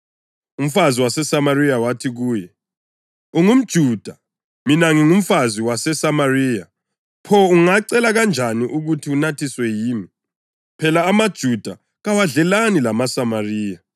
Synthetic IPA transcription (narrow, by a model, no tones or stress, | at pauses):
um̩faziwasɛsamarijawatʰiɣuːjɛ | uŋum̩d̥ʒ̥ʱuːd̥ʱa | minaŋiŋum̩faziwasɛsamariːja | pʰɔuŋaǀɛlaɣand͡ʒʱaniʔuɣutʰiunatʰiswɛjiːmi | pʰɛlaːmad̥ʒ̥ʱud̥ʱa | ɣawaɮɛlanilamasamariːja